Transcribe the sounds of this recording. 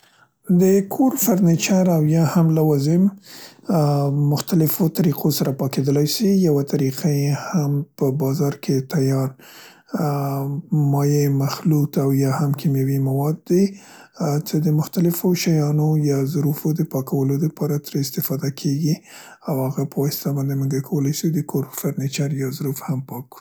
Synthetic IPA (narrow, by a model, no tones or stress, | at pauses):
d̪əkʰoɾfaɾnet͡ʃaɾawjɑhamlawazɪm | mʊxt̪alɪfot̪aɾiqʰosaɾapɑked̪əlajsijawat̪aɾiqajehampəbɑzɑɾkʰet̪ajɑɾ | mɑjemaxlut̪awjɑhamkʰimjawimawɑd̪ːa | t͡səd̪əmʊxt̪alɪfoʃajɑnojɑzʊɾufod̪əpɑkʰawəlod̪əpɑɾat̪ɾaɪst̪ɪfɑd̪akʰeɡi | awhaɣapəwɑst̪abɑnd̪eməŋɡakʰawəlajsud̪əkʰoɾfaɾnit͡ʃaɾjɑzɾufhampɑku̥